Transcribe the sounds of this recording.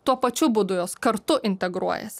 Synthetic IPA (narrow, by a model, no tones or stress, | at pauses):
t̪uɔpɐt͡ʃʲʊbʊd̪ʊjoːskɐɾt̪ʊʔɪnʲt̪ʲɛɡɾuɔjɛ̰sʲ